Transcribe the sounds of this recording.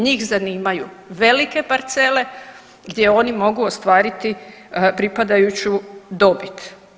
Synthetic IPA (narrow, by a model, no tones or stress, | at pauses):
ɲiːxzaniːmaju | ʋe̞like̞paɾt̪sele̞ | ɡd̪ʲje̞o̞nimo̞ɡuost̪ʋaːɾit̪i | pɾipad̪ajut͡ɕud̪o̞bit̪